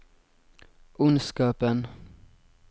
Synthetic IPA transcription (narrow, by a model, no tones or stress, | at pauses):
ʔʊnskɑːpən